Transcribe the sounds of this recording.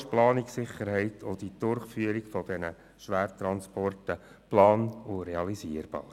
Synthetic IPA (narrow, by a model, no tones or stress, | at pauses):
ʃplɑːnɪksɪχəɾhɛɪtʰod̥id̥̪ʊɾχfyəɾɪɡfɔd̥ɛnə | ʃʋæːɾt̪ɾɑnspɔrtə | plɑːnʊɾɛɑlisiːəɾb̥ɑ̰ːɾ